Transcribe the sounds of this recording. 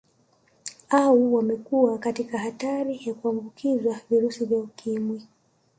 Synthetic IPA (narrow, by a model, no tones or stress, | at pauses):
auwamɛkuakatikaɦataɾijakuambukʰizwaviɾusivjaukʰimwi